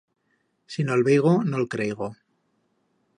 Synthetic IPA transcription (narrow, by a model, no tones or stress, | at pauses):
sinolβeɣonolkɾejɣo